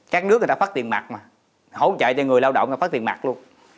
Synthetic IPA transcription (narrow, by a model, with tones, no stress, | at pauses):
kaː˦˥k̚nɨ˦˥kŋː˨˩t̪a˧fa˦˥t̪i˨˩ənma̰˨˩k̚maː˨˩ | ho˨˦wt͡ɕə̰ː˧˨jt͡ɕɔ˧ŋ˨˩əjlaː˧wɗɔ̰˧˨wŋ͡m̪ːaː˦˥t̚t̪i˨˩ə˩ma̰˨˩k̚lu˧ən